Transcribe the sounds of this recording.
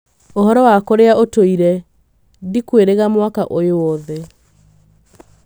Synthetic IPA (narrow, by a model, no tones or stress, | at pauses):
ohɔɾɔwakoɾeaotoiɾɛ | dikweɾeɣamwakaʔojowɔðɛ